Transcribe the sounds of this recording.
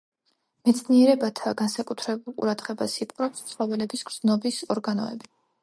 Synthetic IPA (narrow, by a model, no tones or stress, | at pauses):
mɛt̪sʰniɛɾɛbat̪ʰaɡansakʼut̪ʰɾɛbulˠqʼṵɾad̪ʁɛbasipqʼɾɔpssʼlɔvɛlɛbisɡ̥ɾz̥nɔbisɔɾɡanɔ̰ɛ̰bi